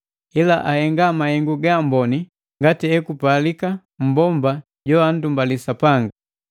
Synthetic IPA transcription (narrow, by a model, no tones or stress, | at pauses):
ilaʔahɛŋɡamahɛŋɡuɡambɔni | ŋɡatiɛkupalika | m̩bɔmba | ɟɔan̩dumbalisapaŋɡa